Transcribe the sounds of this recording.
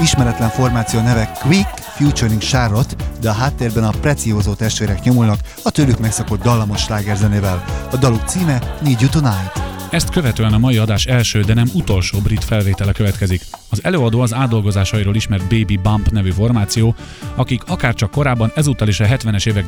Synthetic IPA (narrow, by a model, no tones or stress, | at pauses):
iʃmɛɾɛt̪lɛɱfo̞rmaːt̪sijoːnɛvɛkʋik | fjuːt͡ʃoɾiŋkʃaro̞t̪d̪ɛɒɦaːt̪ːeːrbɛnɒprɛt̪sioːzoːt̪ɛʃt̪ʋeːɾɛkɲo̞mulnɒk | ɒt̪øːlykmɛksɒko̞d̪ːɒlːɒmo̞ʃːlaːɡɛrzɛneːvɛlɒd̪ɒluk̚t̪siːmɛniːɟjut̪onajt̪ɛst̪kø̞vɛt̪øːɛnɒmɒjiɒd̪aːʃɛlʃøːd̪ɛnɛmut̪o̞lʃoːbrit̪fɛlveːt̪ɛlɛkø̞vɛt̪kɛzikɒzɛløːɒd̪oːɒzaːd̪ːo̞lɡo̞zaːʃɒiɾoːliʃmɛrt̪̚beːbibampnɛvyːfo̞rmaːt̪sijoː | ɒkikɒkaːrt͡ʃɒkːo̞ɾaːbːɒnɛzuːt̪ːɒleːʃɒɦɛt̪ʋɛnɛʃeːvɛɡ